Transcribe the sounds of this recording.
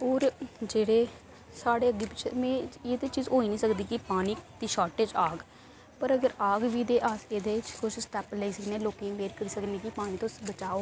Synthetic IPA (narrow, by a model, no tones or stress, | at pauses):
oːɾd͡ʒeːɽeː | saːɽeːəɡeːpɪt͡ʃʰmɛ̃ːeːd̪eːt͡ʃiːzoːiːnĩːsəkd̪iːkipaːniːt̪iːʃaːɾʈeːd͡ʒaːɡ | pəɾəɡəɾaːɡʋiːd̪eːʔaːseːd̪eːt͡ʃkʊt͡ʃʰsʈ̪ɛːpləiːsəkneːloːkẽʋeːɾkəɾiːsəknẽːkipaːɽ̃ĩːt̪õːbət͡ʃaːoː